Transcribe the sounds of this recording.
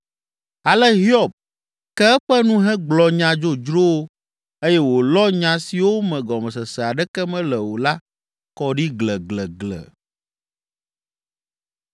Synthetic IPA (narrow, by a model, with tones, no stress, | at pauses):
a˨lɛ˦ɦi˦ɔ˦˨b̚ | kɛ˦ɛ˦ɸɛ˦nũ˦ɦɛ̃˦ɡ͡blɔ˨ɲã˨d͡ʒo˦d͡ʒɾo˦wo˦ | e˦jɛ˦wo˨lɔ˦ɲã˨si˨wo˦mɛ̃˨ɡɔ˨mɛ̃˨sɛ˨sɛ˨a˨ɖɛ˦kɛ˦mɛ̃˦lɛ˨wo˨la˦ | kɔ˨ɖi˦ɡlɛ˨ɡlɛ˨ɡlɛ̰˨